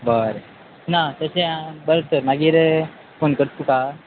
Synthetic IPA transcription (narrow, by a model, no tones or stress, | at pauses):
bəɾ | nat̪əɕeãbəɾt̪əɾnaɡiɾ | fonkəɾt̪uka